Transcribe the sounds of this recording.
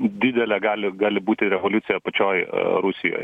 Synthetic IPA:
d̪ʲɪd̪ʲɛlʲɛɡɑːlʲɪɡɑːlʲɪbuːt̪ʲɪɾʲɛʋolʲʊt̪sʲɪjɛpɐt͡ʃʲoːjɾʊsʲɪjo̰ːj

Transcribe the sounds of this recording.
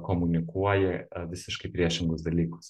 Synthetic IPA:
komʊnʲɪkuɔjɛʋʲɪsʲɪʃkɐɪpʲɾʲiɛʃʲɪŋɡʊsd̪ɐlʲiːkʊ̥s

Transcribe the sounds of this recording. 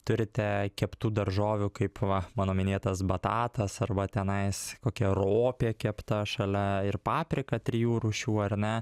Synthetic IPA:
t̪ʊɾʲɪt̪ʲɛkʲɛpt̪uːd̪ɐrʒoːʋʲʊkɐɪpʋɐmɑːnoːmʲɪnʲeːt̪ɐsbɐt̪ɑːt̪ɐsɐrbɐt̪ʲɛnɐɪskoːkʲɛroːpʲeːkʲɛpt̪ɐʃɐlʲɛɪrpɑːpʲɾʲɪkɐt̪ʲɾʲɪjuːɾʊʃʲuːɐrʲnʲɛ

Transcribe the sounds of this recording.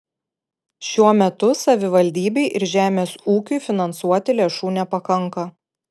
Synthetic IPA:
ʃʲuɔmʲɛt̪ʊsɐʋʲɪʋɐlʲd̪ʲiːbʲɛɪʔɪɾʒʲæːmʲeːsuːkʲuɪfʲɪnɐnsuɔt̪ʲɪlʲeːʃuːnʲɛpɐkɐŋˑkɐ

